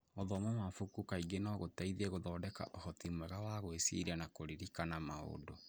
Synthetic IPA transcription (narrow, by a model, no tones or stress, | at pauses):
oðɔmɔmafukukaiɡenɔɣotaiðɛɣoðɔːdɛka̰ʔohɔtimwɛɣawaɣwesḭɾanakoɾiɾikanamao̰do